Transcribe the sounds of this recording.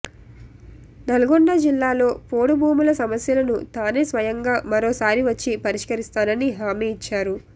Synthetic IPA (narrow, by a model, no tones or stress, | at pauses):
nɐlɐɡoɳɖɐd͡ʒilːaːlo̞ːpoːɽubuːmulɐsɐmɐsjɐlɐnut̪aːne̞ːsʋɐjɐŋɡaːmɐɾoːsaːɾiʋɐt͡ʃːipɐɾiʂkɐɾist̪aːnɐniɦaːmiit͡ʃːaːɾu